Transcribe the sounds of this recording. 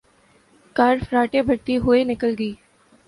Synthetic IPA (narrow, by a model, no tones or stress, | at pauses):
kaːɾfɾaːʈebʱɐɽt̪iɦʊenɪkəlɡəiː